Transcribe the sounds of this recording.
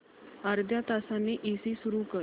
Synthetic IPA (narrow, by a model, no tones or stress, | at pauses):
aɾd̪ʱjat̪asãnːiːʔisisuɾukə